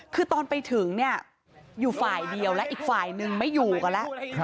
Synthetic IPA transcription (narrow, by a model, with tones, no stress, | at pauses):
kʰɯː˧t̪ɔː˧npa˧jt̪ʰɯ˩˦ŋni˥˩ɐ | juː˨˩faː˨˩jdi˧əwlɛ˦˥ʔiː˨˩k̚faː˨˩jnɯ˧ŋma˥˩jːuː˨˩ka˧nlɛ˦˥ʔ